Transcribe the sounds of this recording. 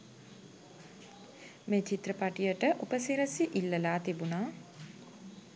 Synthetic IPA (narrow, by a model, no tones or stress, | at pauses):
meːt͡ʃit̪ɾəpaʈijəʈəʔupəsiɾəsiʔilːəlaːt̪ibunaː